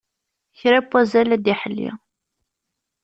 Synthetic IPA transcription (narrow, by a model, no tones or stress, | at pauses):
çɾæpːæzælæd̪iħəlːḭ